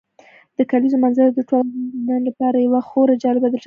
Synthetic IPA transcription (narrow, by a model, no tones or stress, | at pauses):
d̪̥əkalizomanzaɾd̪əʈonənlapɑɾajawaxoɾad͡ʒɑlɪbad̪əʈ